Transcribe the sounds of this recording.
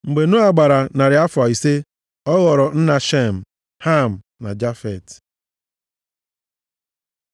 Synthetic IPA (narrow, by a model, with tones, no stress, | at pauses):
ŋ͡m̩˨ɡ͡be˨nʊ˦a˨ɡ͡ba˨ɾa˨na˨ɾɪ˨a˦fa˨i˨se˦ | ɔ˦ɣɔ˨ɾɔ˨n̩˦na˨ʃe˦m̩˨ | ha˦˨m̩˨ | na˨d͡ʒa˦fɛ˨t